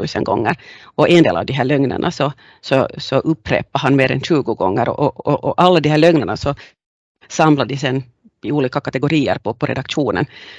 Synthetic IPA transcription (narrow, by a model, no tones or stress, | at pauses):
ʉːsə̰nɡɔ̰ŋːəɾɔʔɛnd̪ḛːla̰ʋd̪iɦæːɭœŋna̰ɳʔa̰sɔ | sɔsɔʔɵpːɾḛːpːaɦanmeːɾɛ̰nʂʉːɡʊɡɔŋːəɾɔ̰ʔɔɔʔɔʔalːad̪ɪhæːɭœŋnaɳasɔ | sɑmlad̪ɪsɛnː | ɪuːliːkakat̪ɛɡʊɾiːə̰ɾpʰɔpʰɔɾʔɛ̰d̪akʂuːnə̰n